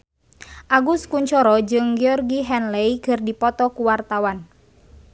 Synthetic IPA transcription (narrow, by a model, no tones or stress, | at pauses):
ʔaɡuskuɲt͡ʃɔɾɔd͡ʒɨŋɡeɔrɡiɦɛnleikɨrdipɔt̪ɔkuwart̪awan